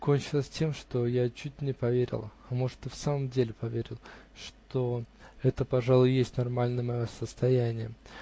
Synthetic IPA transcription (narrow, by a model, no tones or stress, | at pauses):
konʲt͡ɕɪlˠəsʲtʲe̞mʂt̪o̞jat͡ɕut̚ʲnʲɪpɐvʲeɾʲɪ̰lˠɐmo̞ʐɨ̥t̪ːɨfsaməmdʲelʲɪpɐvʲeɾʲɪlˠ | ʂt̪o̞ɛt̪əpɐʐalˠʊjjesʲtʲnɐrmalʲnəjəmɐjo̞səst̪ɐjænʲɪjə̰